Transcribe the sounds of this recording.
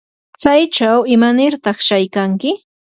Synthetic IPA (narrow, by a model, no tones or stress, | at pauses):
t͡sajt͡ʃawɪmanɪɾt̪ɑχʃajkaŋkɪ